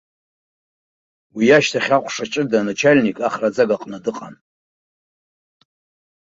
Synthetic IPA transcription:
wijaʃtʰaχʲaχʷʰʼʂat͡ʃʼɨdanat͡ʃʰalʲnikʼaχrad͡zaɡaqʼnadɨqʼa̰n

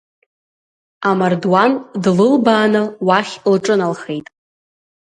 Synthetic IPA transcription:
amardwandlɨlbaːnɨwaχʲlʈ͡ʂʼɨnalχe̞jtʼ

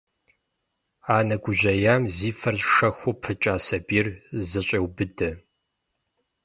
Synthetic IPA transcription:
aːnɐɡʷʊʑɐjaːmziːfɐrʂɐxʷʊpʰɨt͡ʃʼaːsɐbiːrzɨɕʼɐwbɨdɐ

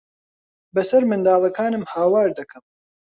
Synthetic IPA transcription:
bɐsɐɾmɨnd̪aːlˠɐkaːnɨmhaːwaːɾd̪ɐkʰɐm

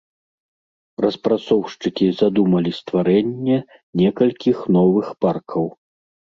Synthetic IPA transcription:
ɾɐspɾat̪sɔwʂt͡ʂɨkʲizad̪umɐlʲist̪vaɾɛnʲːɛ | nʲɛkɐlʲkʲixnɔvɨxparkʰɐw

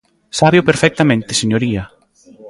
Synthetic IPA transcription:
saβjopeɾfɛk̚t̪amẽnt̪ɪseɲoɾiɐ

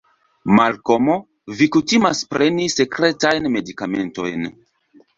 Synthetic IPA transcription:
malko̞mo̞ | vikutimaspɾe̞nise̞kɾe̞tajnme̞dikame̞̰nto̞̰jn

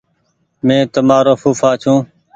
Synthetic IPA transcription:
mẽːt̪əmaːɾoːfuːfaːt͡ʃʰũː

